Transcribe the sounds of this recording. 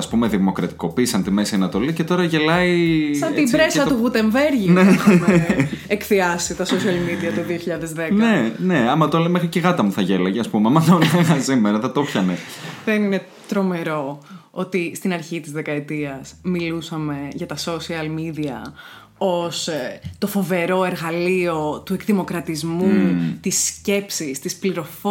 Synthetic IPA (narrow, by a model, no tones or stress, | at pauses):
ɐspume̞ðimo̞kɾɐt̪i̥ko̞piːsɐnt̪ime̞siɐnɐt̪o̞lice̞t̪o̞ɾɐʝe̞lɐisɐt̪ibɾesɐt̪uɣut̪e̞ɱve̞ɾʝine | ekθiɐsit̪ɐsosiɐlmiðiɐt̪oðioçiʎɐðezðeknɐene̞ɐmɐt̪olɐmexɾiceɣɐt̪ɐmuθɐʝe̞lɐʝeɐspumeɐmɐðonɐɣɐsimeɾɐθɐt̪o̞pçɐneðenine̞ | t̪ɾo̞me̞ɾo̞o̞t̪ist̪inɐɾçit̪izðekɐet̪iɐsmilusɐme̞ʝɐt̪ɐso̞siɐlmiðiɐ̰ | o̞st̪o̞fo̞ve̞ɾo̞e̞ɾɣɐlio̞t̪ue̞kðimo̞kɾɐt̪izmut̪isce̞psist̪ispliɾo̞fo